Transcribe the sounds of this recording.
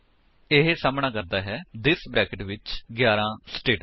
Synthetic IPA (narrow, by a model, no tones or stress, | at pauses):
ɪɦesaːmɳãːkəɾd̪aːɦɛːd̪ɪsbɾɛːkəʈʋɪt͡ʃɡjaːɾãːsʈeːʈ